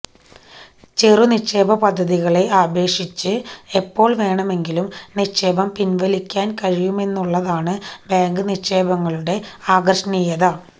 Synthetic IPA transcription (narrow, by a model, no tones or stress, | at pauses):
t͡ɕeruniʂe̞ːbɐpɐd̪ʱːɐðiɣɐɭe̞aːbe̞ːʂit͡ɕːɨepːo̞ːɭʋe̞ːɳɐme̞ŋɡilumniʂeːbɐmpinʋɐlikʲːaːnkɐɻijume̞nːuɭːɐðaːɳɨbaːŋɡɨniʂeːbɐŋːɐɭuɽe̞aːɡɐrʂɐnijɐðɐ